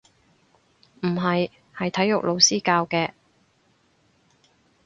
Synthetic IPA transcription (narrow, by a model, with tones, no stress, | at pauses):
m̩˨˩ɦɐ˨j | hɐ˨jt̪ʰɐ˨˥jːʊ˨k̚lo˨˧wsiː˥kaː˧wkɛː˧